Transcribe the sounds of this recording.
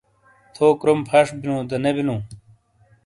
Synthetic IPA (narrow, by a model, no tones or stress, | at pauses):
t̪ʰoːkɾompʰɐʂbinũd̪ɐnebinũː